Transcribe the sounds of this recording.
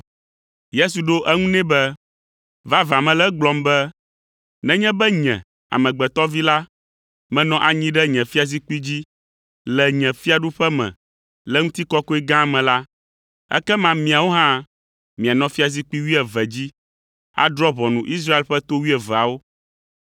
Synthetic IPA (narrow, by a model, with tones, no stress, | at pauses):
je˦su˨ɖo˦ʔɛ˦ŋũ˦nɛ̃˦bɛ˦ | va˦va˨mɛ̃˨lɛ˦ɡ͡blɔ˨mbɛ˦ | nɛ̃˦ɲɛ̃˦bɛ˦ɲɛ̰̃˨ | a̰˨mɛ̃˨ɡ͡bɛ˨t̪ɔ˦vi˦la˦ | mɛ̃˨nɔ̃˦ʔa˨ɲĩ˦ɖɛ˦ɲɛ̃˨fi˦a˨zi˦k͡pi˦d͡ʑi˦ | lɛ˨ɲɛ̃˨fi˦a˨ɖu˦ɸɛ˦mɛ̰̃˨ | lɛ˦ŋũ˦t̪i˦kɔ˦ko˦i˦ɡã˦˨mɛ̃˨la˦ | ɛ̰˦kɛ˦mã˦mĩ˨a˨wo˦ɦã˦ | mĩ˨a˨nɔ̃˦fi˦a˨zi˦k͡pi˦wi˦ɛ˨vɛ˨d͡ʑi˦ | a̰˨d̪ɾɔ˦βɔ˨nũ˨ʔi˦s̬ɾa˦e˦˨lɸɛ˦t̪o˦wi˦ɛ˨vɛ˨a˨wo˦